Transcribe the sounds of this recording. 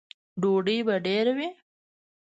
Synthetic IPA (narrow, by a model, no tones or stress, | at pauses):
ɖoɖəjbaɖeɾawi